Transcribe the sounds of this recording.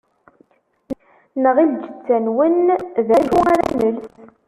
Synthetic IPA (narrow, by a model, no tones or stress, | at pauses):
n | nəʁild͡ʒət͡sːænwənðæʃuaɾa̰nəlθ